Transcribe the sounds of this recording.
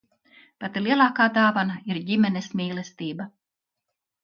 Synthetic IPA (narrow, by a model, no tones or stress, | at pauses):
pat̪ilˠiɛlˠaːkaːd̪aːvanaiɾɟimɛnɛsmʲiːlˠɛst̪iːba